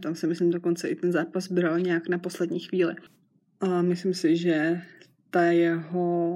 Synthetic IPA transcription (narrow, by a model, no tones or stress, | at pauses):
t̪amsɪmɪslɪmdoko̞nt͡sɛʔɪt̪ɛnzaːpasbɾalɲɛaknapo̞slɛdɲiːxʋiːlɪ | ʔamɪslɪmsɪʒɛ | t̪ajɛɦo